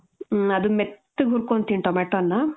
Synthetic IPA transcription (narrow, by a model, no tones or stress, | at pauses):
ɐd̪umet̪ːuɡɦuɾkont̪iɳʈɔmeːʈonːɐ